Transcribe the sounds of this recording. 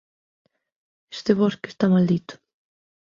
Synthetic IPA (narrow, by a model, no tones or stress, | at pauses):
est̪eβoskest̪amald̪it̪ʊ̥